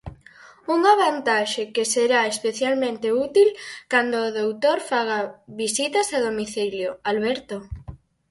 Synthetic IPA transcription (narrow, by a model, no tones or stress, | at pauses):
uŋaβ̞ant̪aʃekeseɾaespeθjalmẽnt̪eut̪ilkand̪oːðowt̪oɾfaɣ̞aβisit̪ɐsaðomiθiljoalβɛɾt̪o